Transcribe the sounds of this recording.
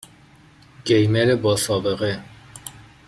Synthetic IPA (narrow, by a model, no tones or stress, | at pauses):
ɡ̥ejmeɾebɒːsɒːbeɣe